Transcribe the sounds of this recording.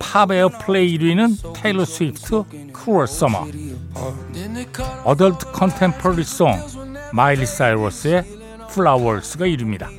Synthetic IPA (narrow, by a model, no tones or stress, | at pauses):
pʰabeʌpʰleiiɾinɯntʰelosʰwipʰtʰɯ | kʰuʌsʌma̰ | ʌdʌɭtʰɯ̥kʰʌntʰempʰoɾisɔŋ | mailisaiɾosɯe̞ | pʰuɭawʌɭsɯɡaiɾɯmɲida